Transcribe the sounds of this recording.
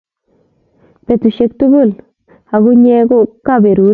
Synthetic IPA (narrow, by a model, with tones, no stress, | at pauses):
pe˨tu˨ʃe˦k̚tu˦bu˦˨l | ha˨ɡʊ˦ɲɛ˦ɡʊ˦ka˦˨be˨ɾu˨˦